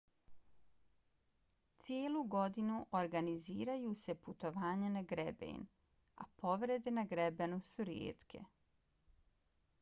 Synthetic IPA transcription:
t̪sijeːluɡo̞d̪inuʔoɾɡaniziːɾajuːse̞put̪o̞ʋaːɲanaɡɾebḛn | a̰po̞ʋɾe̞d̪enaɡɾebenusuɾjḛːt̪kʰe̞̰

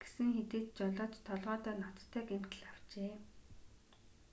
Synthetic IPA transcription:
ɡ̥e̥sɘ̆ŋxet̪eːt̪̚t͡ɕɔɮɔːt͡ɕt̪ʰːɔɮʁɔːt̪œːnɔt̪t̪ʰːæːɡem̥t̪ɘ̆ɮaw̥t͡ɕeː

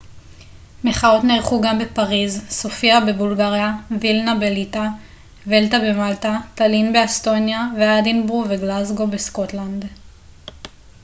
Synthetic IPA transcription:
me̞χao̞tneʁχuɡambepaʁizsofiabebulɡaʁjavilnabelit̪a | ve̞ltabe̞maltat̪alinbe̞ast̪o̞njaveadinbuveɡlazɡo̞besko̞tland̪

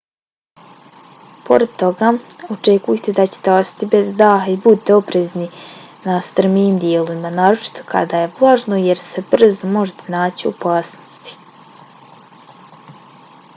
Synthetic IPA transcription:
po̞̰ɾed̪̚t̪o̞ɡao̞t͡ʃekujet̪ed̪at͡ɕe̥t̪eosḁt̪ibezd̪aːɦaibut̪eo̞pɾezni | nast̪r̩miːmd̪jeːlˠoʋimanaːɾo̞t͡ʃi̥t̪ʰo̞̥kʰa̰d̪aje̞ʋlˠaːʒnojeɾse̞br̩zomo̞ʒet̪ʰenaːt͡ɕio̰paːsnost̪i̥

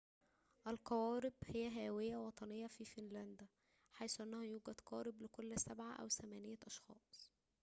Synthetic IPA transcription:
ʔælqɑwɑːɾɪbhejːæɦæːwejːæwɑt̪ˤɑnejːɑfiːfɪnlænd̪ | ħajsuʔænːæhæjuːɡæd̪qɑːɾɪblɪkolːsæbʕaʔæ̰wt̪æmæːnɪjæʔɑʃxɑ̰ːsˤ

